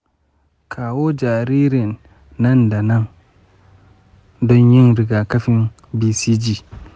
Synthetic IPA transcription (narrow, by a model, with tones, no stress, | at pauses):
kʰa˨wo˦d͡ʒa˨ɾi˦ɾi˨nː | a˦nda˨na˦ŋ | dɔ˦nji˦nɾi˨ɡa˨ka˦fi˦n | bi˦si˦d͡ʒi˦